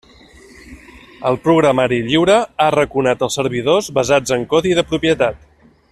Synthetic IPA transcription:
əlˠpɾuɣɾəmaɾiʎiwɾəarəkunat̪əlˠsəɾβ̞iðozβəzad͡zəŋkɔðiðəpɾupjət̪at̪̚

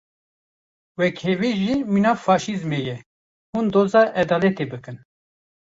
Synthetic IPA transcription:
wɛkheveʒiːminɑːfɑːʃizmeːjɛ | hund̪oːzɑːʔɛd̪ɑːlɛt̪ebɨkɨn

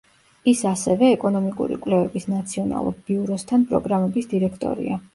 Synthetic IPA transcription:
isasɛvɛːkʼɔnɔmikʼṵɾḭkʼwlɛvɛbisnat̪sʰiɔna̰lˠṵɾb̥iuɾɔst̪ʰanpʼɾɔɡɾamɛbisd̪iɾɛkʰt̪ʼɔ̰ɾḭa

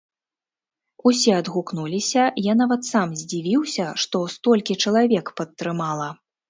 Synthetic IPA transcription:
usʲɛɐd̪ɣuknulʲisʲɐjanavɐt̪samzʲd͡zʲivʲiwsʲɐʂt̪ɔst̪ɔlʲkʲit͡ʂɐlˠavʲɛkpɐt̪ːɾɨmalˠɐ

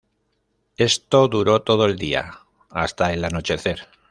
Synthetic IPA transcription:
e̞st̪o̞ðuɾo̞t̪o̞ð̞oe̞ld̪ia̰ | ast̪aelano̞t͡ʃe̞θe̞ɾ

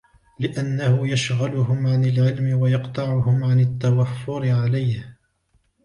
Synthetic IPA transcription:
lɪʔanːahʊjaʃɣalʊhʊmʕanalʕɪlmɪwajɑqt̪ˤɑʕʊhʊmʕanɪt̪ːawafːʊɾɪʕalajh

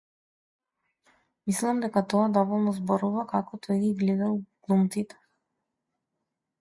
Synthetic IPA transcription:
mislˠamd̪ɛkat̪ɔad̪ɔvɔlˠnɔzbɔɾuvakakɔt̪ʰɔjɡiɡlɛd̪alɡ̥lˠumt̪sit̪ɛ̥

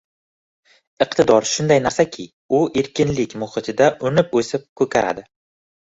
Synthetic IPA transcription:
ɨqt̪ɪd̪ɒɾʃʊnd̪ajnaɾsakʲʰɪ | ʊʔe̞ɾkʲɪnlɪkʲmʊχɨt̪ʰɪd̪aʔʊnɪpɵsɪp̚kʰɵkʲʰaɾa̰d̪ɪ

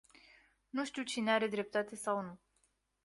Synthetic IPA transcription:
nuʃt̪iwt͡ʃineaɾe̞d̪ɾe̞p̚t̪at̪e̞sawnu

